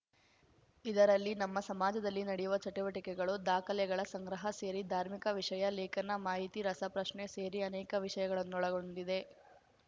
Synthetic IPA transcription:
id̪ɐɾɐlːinɐmːɐsɐmaːd͡ʒɐd̪ɐlːinɐɽejuʋɐt͡ʃɐʈuʋɐʈikɛɡɐɭud̪aːkʰɐljɛɡɐɭɐsɐŋɡɾɐɦɐse̞ːɾid̪ʱaːɾmikɐʋiʂɐjɐleːkɐnːɐmaːɦit̪iɾɐsɐpɾɐʂɳeseːɾiɐnɛːkɐʋiʂɐjɐɡɐɭɐnːuɔɭɐɡo̞ɳɖid̪e̞

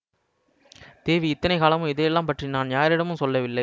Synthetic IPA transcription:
t̪eːʋiɪt̪ːɐnɐɪkaːlɐmɯ̃mɪðɐjɛlːaːmpɐʈrinaːnjaːɾɪɽɐmɯ̃msɔlːɐʋɪlːɐɪ

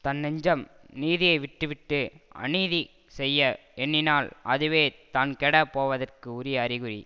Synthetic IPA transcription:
t̪ɐnːɛɲd͡ʒɐm | niːðɪjɐɪʋɪʈːɯʋɪʈːɯɐ̰niːði | sɛjːɐɛnːɪnaːlʔɐðɯʋeːt̪aːnkɛɽɐpoːʋɐðɐrkɯʊɾɪjɐːɾɪɣɯɾḭ

